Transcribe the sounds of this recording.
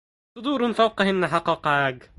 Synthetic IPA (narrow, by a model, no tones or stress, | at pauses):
sʊd̪ˤuːɾʊnfawqɑhɪnːaħɑqːɑqɑːɡ